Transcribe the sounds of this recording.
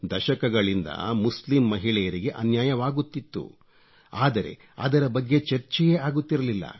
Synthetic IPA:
d̪ɐʃɐkɐɡɐɭind̪ɐ̰muslimːɐɦiɭɛjɐɾiɡe̞ʔɐnjaːjɐʋaːɡut̪ːit̪ːṵ | aːd̪ɐɾe̞̰ | ɐ̰d̪ɐɾɐbɐɡːe̞t͡ʃɐɾt͡ʃɛjeaːɡut̪ːiɾɐlilːɐ̰

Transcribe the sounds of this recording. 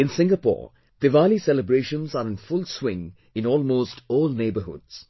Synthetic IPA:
ɪ̃nsɪ̃ŋɡəpɔ̰ːɹ | d̪əʋalisɛləbɾeːʃə̃nzaɾɪ̃nfʊlswɪ̃ŋ | ɪ̃nɔːlmoːsʈʰoːlneːbəhʊ̰dz̥

